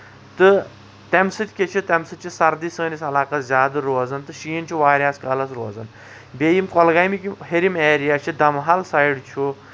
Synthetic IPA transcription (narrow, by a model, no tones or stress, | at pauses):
t̪ɨ | t̪emsɨt̪ʲkʲet͡ʃʰit̪ʲɐmsɨt̪̚t͡ʃʰisɐɾd̪isəːnisɐlaːkɐt̪zʲaːd̪ɐɾoːzɐnt̪ɨʃiːnt͡ʃʰuʋaːɾʲaːskɐlɐsɾoːzɐn | beːjimkɔlɡajmikʲiɦeɾimeːɾijaːt͡ʃʰid̪ɐmɦalsajɽt͡ʃʰu